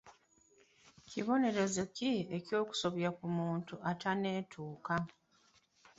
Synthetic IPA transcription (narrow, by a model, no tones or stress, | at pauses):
ciβo̞ne̞ɾe̞zecie̞cjo̞ːku̥so̞βjakumuːntuatane̞ːtʰuːka